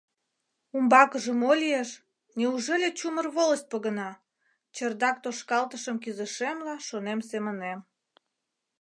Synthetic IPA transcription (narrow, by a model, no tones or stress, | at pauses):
umbɑkəʒəmolʲijeʃ | neuʒelʲet͡ɕumərβoləsʲt̪̚ʲpəɣənɑ | t͡ɕərd̪ɑk̚t̪oʃkɑlt̪əʃəmkyzəʃemlɑʃonemsemənem